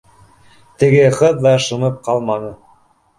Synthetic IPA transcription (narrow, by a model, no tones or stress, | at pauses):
t̪ɘ̆ɡɘqɤðd̪ɑʃɤ̆nɤp̚qɑlˠmɑnɤ